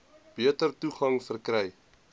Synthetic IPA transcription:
b̥iətərtuχɐŋfərkrɛj

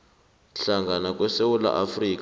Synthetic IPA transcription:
ɬaŋɡʱanak̬ʼwɛsewula̰ʔafriːk

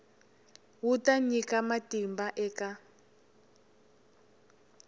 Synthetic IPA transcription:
wutaɲikamatimbaʔɛːka

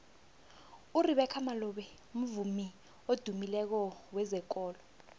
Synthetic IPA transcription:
uriɓɛkʰamalɔɓɛ | m̩vumi | od̥ʱumilɛk̬ɔwɛzɛk̬ʼɔːlɔ

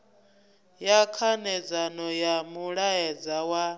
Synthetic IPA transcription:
jakʰanɛd͡zanɔjamuɺaɛd͡zawa

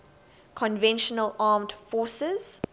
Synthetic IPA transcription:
kʰɔ̃nvɛ̃nʃənəlɑːmdfɔˑsɪz̥

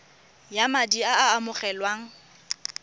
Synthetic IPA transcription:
jamadiaaːmʊχɛlwaːŋ̩

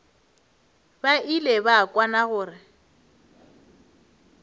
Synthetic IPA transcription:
baʔilebakʼwanaɣʊːrɪ

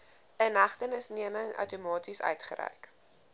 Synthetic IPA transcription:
ənɐχtənəsniəməŋœ̰wtumɑːtisœ̰ɥtχə̰ɾɛ̰jk

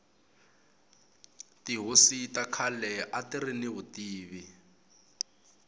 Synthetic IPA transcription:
tiɦositakʰalɛʔatirinɪβʊtiːβi

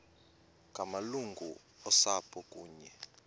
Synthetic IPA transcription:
kʼamaluŋɡʱu | ɔsapʰʼɔkʼuːɲɛ

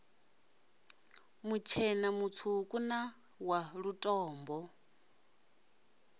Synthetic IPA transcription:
mut͡ʃʰɛnamut͡sʰukʼuna | waɺutʼɔːmbɔ

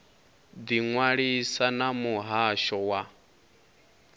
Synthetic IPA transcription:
d̪iŋwaɺisanamuɦaʃɔwa

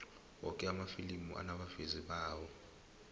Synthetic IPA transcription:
wɔkʼɛamafilimṵʔa̰naɓaveziɓaːwɔ

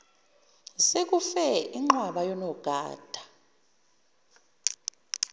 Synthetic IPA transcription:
sek̬ufɛiŋ͡ǃwaɓajɔnɔɡ̥ʱa̰ːd̥ʱḁ

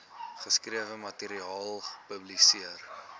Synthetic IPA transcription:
χəskriəvəmɐteɾiɑːlˠəpəblisiər

